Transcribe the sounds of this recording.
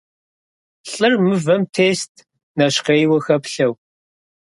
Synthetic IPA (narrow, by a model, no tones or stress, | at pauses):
ɬʼɨrmɨvɐmtʰeːstʰ | nɐʃqeːjwɐxɐpɬɐw